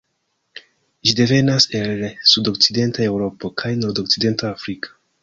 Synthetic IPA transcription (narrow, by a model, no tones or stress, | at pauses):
ʒide̞ve̞naselsudokside̞ntae̞wɾo̞pokʰajno̞ɾdokside̞ntaːfɾikʰḁ